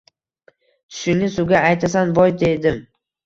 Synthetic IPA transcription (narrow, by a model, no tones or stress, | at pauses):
t̪ʰʊ̥ʃɪŋnɪsʊɡʲaːjt̪ʰasanbɒjd̪e̞d̪ɪm